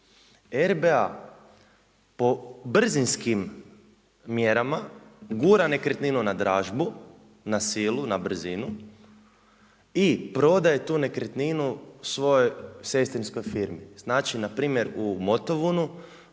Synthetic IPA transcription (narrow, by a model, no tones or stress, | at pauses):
eɾbea | po̞br̩zinskimː | je̞ɾamaɡuːɾane̞kɾet̪ninunad̪ɾaːʒbu | nasilunabr̩zinu | ipɾo̞d̪aje̞t̪uːne̞kɾet̪ninusʋo̞jojse̞st̪insko̞jfiɾmiz̥naːt͡ʃinapɾiːmje̞ɾumot̪oʋunu